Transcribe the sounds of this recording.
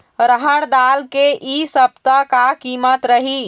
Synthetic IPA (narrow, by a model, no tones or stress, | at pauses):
ɾəɦəɽ̃d̪alkeʔisəb̚t̪əkakimət̪ɾəɦi